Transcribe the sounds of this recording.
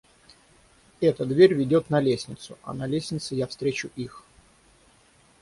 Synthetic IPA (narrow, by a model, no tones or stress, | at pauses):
ɛt̪əd̪vʲeɾʲvʲɪdʲo̞t̪nɐlʲesʲnʲɪt̪sʊʔɐ̰nɐlʲesʲnʲɪt̪sɨjafst̪ɾʲet͡ɕʊʔix